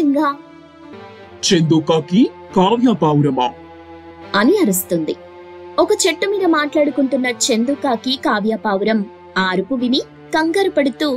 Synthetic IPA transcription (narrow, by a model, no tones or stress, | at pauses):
ŋɡaː | t͡ʃend̪uːkaːki | kaːʋjaːpaːwɾɐmaː | ɐniɐɾust̪und̪ḭ | ɔkɐt͡ʃeʈːumiːd̪ɐmaːʈlaːɽukuɳʈunːɐt͡ʃend̪ukaːkikaːʋjaːpaːwuɾɐm | aːɾupuʋini | kɐŋɡɐɾɐpɐɽut̪uː